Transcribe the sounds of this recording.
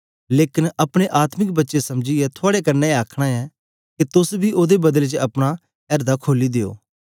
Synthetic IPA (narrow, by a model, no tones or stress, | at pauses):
leːkɪnɐpɽ̃eʔaːt̪mɪkbɐtːʃesɐmd͡ʒiɛt̪ʰʊaːɽekɐɾnɛaːkʰɽ̃aɛ | ket̪ʊsbʱiʔoːd̪ebɐd̪əlt͡ʃəɐpɽ̃a | ɛːɾd̪akʰoːlid̪eːo̰ː